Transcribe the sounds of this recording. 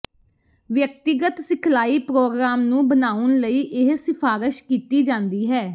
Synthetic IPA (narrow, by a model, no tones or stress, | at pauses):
ʋjək̚t̪ɪɡət̪sɪkʰlaːiːpɾoːɡɾaːmnũːbənaːʊnləiːʔɪɦsɪpʰaːɾɪʃkiːt̪iːd͡ʒãːnd̪iːɦɛː